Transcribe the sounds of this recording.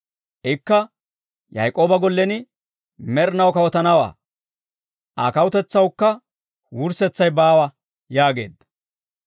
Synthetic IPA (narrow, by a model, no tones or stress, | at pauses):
ʔɪkːɐ | jɐjkʼo̞ːbɐɡɔlːɛnɪ | mɛɾnɐwkɐwɔt̪ɐnɐwa̰ː | ʔaːkɐwʊt̪ɛt͡sːɐwkːɐ | wʊɾsɛt͡sːɐjbaːwɐ | jaːɡe̞̰ːd̪ɐ